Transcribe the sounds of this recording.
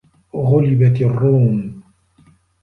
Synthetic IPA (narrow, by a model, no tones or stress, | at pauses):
ɣʊlɪbat̪rːuːm